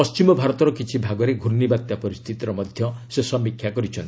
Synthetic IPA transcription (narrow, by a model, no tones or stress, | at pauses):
ɔst͡ʃimɔbʱaɾɔt̪ɔɾɔkit͡ʃʰibʱaɡɔɾeɡʱuɾnibat̪japɔɾist̪ʰit̪iɾɔmɔd̪ʱjɔsesɔmːikʰjakɔɾit͡ʃʰɔnt̪i